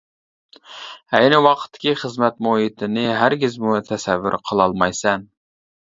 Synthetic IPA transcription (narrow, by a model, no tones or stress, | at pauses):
ɛjnɪwɑqʰə̥t̪ʰːɪ̥kʲiχəzmɛt̪mohit̪ʰɪnɪɦæɾɡʲɪzmut̪ʰɛsɛvːy̰ɾqʰəlˠɑlˠmɑjsɛn